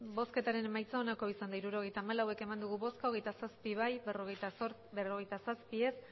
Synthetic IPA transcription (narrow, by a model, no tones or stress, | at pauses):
bo̞ske̞t̪aɾe̞ne̞majt͡sao̞nako̞isand̪aiɾuɾo̞ɣ̞e̞jt̪aːmalawe̞ke̞mand̪uɣ̞uβo̞skoɣ̞e̞jt̪asaspiβajeroɣet̪soɾ | bero̞ɣe̞jt̪asaspie̞s